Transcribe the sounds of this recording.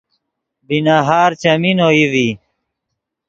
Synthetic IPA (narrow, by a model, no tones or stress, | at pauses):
binaɦaːɾt͡ɕɐminoːiwi